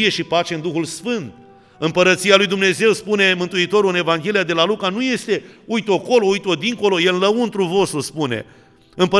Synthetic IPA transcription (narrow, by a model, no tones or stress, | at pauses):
ije̞ʃipat͡ʃe̞ɨnd̪uxulsfɨnt̪̚ | ɨmpəɾət̪sialujd̪umne̞ze̞wspune̞mɨnt̪uit̪o̞ɾuɨne̞vaŋɡʲe̞liad̪e̞lalukanuje̞st̪e̞ujt̪o̞ko̞lo̞ujt̪o̞d̪iŋko̞lo̞jelɨnləunt̪ɾuvo̞st̪ɾuspune̞̰ | ɨmpə